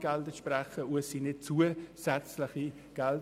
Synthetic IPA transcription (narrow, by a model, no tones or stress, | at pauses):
ɡ̥ɛldəʃprɛχəuəsiːnɪt͡suəsɛt͡slɪχi | ɡ̥ɛl